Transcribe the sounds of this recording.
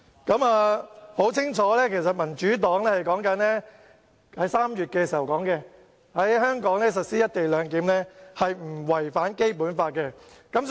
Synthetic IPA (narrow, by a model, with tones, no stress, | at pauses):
kɐ˨˥maː˨˧ho˨˥wt͡sʰɪ˥ŋt͡ʃʰɔː˨˥lɛː˥kʰe˨˩s̬ɐ˨t̚mɐ˨˩nt͡ʃyː˨˥t̪ɔː˨˥ŋlɛː˥hɐ˨jkɔː˨˥ŋkɐ˨˥nlɛː˥ | hɐ˨˥jsaː˥mjyː˨t̚kɛː˧s̬i˨˩hɐ˨wkɔː˨˥ŋkɛ˧ | hɐ˨˥jhœː˥ŋkɔː˨˥ŋlɛː˥s̬ɐ˨t̚siː˥jɐ˥t̚t̪e˨jlœː˨˧ŋkiː˨˥mlɛː˥hɐ˨jm̩˨˩wɐ˨˩jfaː˨˥nke˥jpuː˨˥nfaː˧t̚kɛ˧kɐ˨˥m